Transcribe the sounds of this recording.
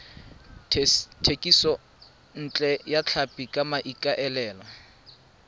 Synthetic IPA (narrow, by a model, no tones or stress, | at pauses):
tʰekʼisɔ | n̩t͡ɬʼɛjat͡ɬʰapʼikʼamaʔikʼaʔɛlɛːlɔ